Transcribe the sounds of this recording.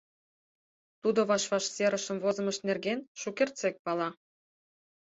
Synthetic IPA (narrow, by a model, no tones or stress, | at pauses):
t̪ud̪oβɑʃβɑʃseɾəʃə̆mvozə̆məʃt̪nerɣenʃukert͡sek̚pɑlɑ